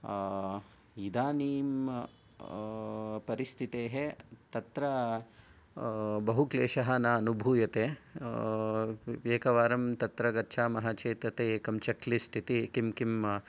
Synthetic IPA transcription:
id̪aːniːm | pɐɾist̪ʰit̪eːɦet̪ɐt̪ɾɐ | bɐɦukleːʃɐɦɐnɐːnubʱuːjɐt̪eː | eːkɐʋaːɾɐmt̪ɐt̪ɾɐɡɐtːʃʰaːmɐɦɐt͡ʃeːt̪ɐt̪eːkɐmt͡ʃɐklisʈ̪ʰit̪ikimkim

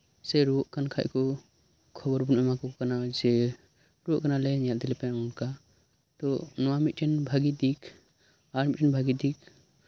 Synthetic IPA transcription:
sɛɾuʔkankʰa̰ʔkɔ | kʰɔbɔɾbunɛmakɔkanad͡ʒɛ | ɾuʔkanalɛɲald̪ɛlɛpɛ̃unka | t̪ɔnɔwamit̪̚ʈɛnbʱaɡid̪ikʰ | aɾmitʈʰɛnbʱaɡid̪ik

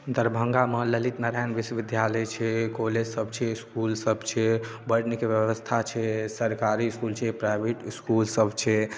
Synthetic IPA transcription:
d̪əɾbʱəŋɡamələlit̪nəɾajnʋisəʋid̪jaləjt͡ʃʰɛkoled͡ʒsəbt͡ʃʰɛskulsəbt͡ʃʰɛbəʈnikeʋjəʋəst̪ʰat͡ʃʰɛsəɾkaɾiskult͡ʃʰɛpɾajbʱeʈskulsəbt͡ʃʰɛ

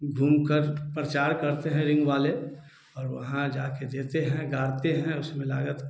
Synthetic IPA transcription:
ɡʱuːmkəɾpɾɐt͡ʃaːɾkɐɾt̪eɦɛ̃ɾɪ̃ŋɡʋaːle | ɔːɾʋɐɦãd͡ʒaːked̪eːt̪eɦɛ̃ɡaːɾt̪eɦɛ̃ʊsmẽla̰ːɡət̪

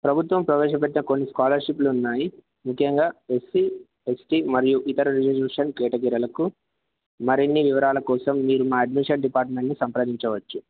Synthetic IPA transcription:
pɾɐbʱut̪ʋɐmpɾɐʋɛːʃɐp̬eʈ̬ːinɐkonːiskaːlɐɾʂipluːnːaːji | mukʰjɐŋɡaːesi | esʈimɐɾijuʔit̪ɐɾɐɾid͡ʒɐbjuːʂɐnkɛːʈɐɡiɾɐlɐku | mɐɾinːiʋiʋɐɾaːlɐkɔːsɐmːiːɾumaːɐɖmiʂɐɳɖipaːɾʈme̞ɳʈnisɐmpɾaːd̪iɲt͡ʃɐʋɐt͡ʃːu

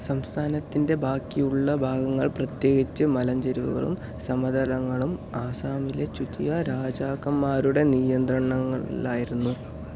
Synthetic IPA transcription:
sɐmst̪ʰaːnɐt̪ːinde̞bʱaːkːijuɭːɐbʱaːɡɐŋːɐɭprɐt̪je̞ːɡit͡ɕːɨmɐlɐɲd͡ʑɐɾuʋṵɣɐ̰ɭṵm | sɐmɐd̪ɐlɐŋːɐɭumaːsaːmilet͡ɕut̪ijɐɾaːd͡ʑaːɣɐmːaːɾuɽe̞nijɐnd̪rɐɳɐŋːɐaːjiɾunːu

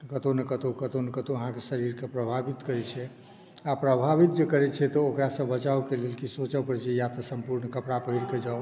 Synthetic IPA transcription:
kət̪onekət̪okət̪onekət̪oəɦãkesəɾiɾkepɾəbʱabit̪kəɾɛt͡ʃʰɛ | apɾəbʱabit̪̚d͡ʒekəɾɛt͡ʃʰɛt̪ɔokɾasə̃bət͡ʃawkelelkisot͡ʃəpəɾt͡ʃʰɛjat̪əsəmpuɾnkəpɽapəɦiɾked͡ʒa

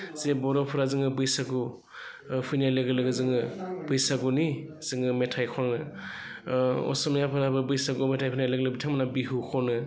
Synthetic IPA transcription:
zebɔɾɔpʰɯɾazɯŋɯbɯjsaɡu | pʰɯjnajlɯɡɯlɯɡɯzɯŋɯb̥ɯjsaɡuniz̥ɯŋɯmetʰajkʰɔɾnɯ | ɔ̰sɔmjapʰɯɾabɯbɯjsaɡumetʰajpʰɯjnajlɯɡlɯbitʰamanabiɦukʰɔnɯ

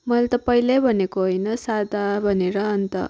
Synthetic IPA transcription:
mʌlt̪ʌpʌilebʱʌnekoɦojnʌsad̪ʱabʱʌneɾʌːnt̪ʌ̰

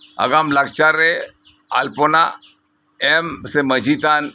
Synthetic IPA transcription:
ɐ̰ɡaːmlaɡt͡ʃaɾe | a̰lpona̰ | emsemɐd͡ʒit̪an

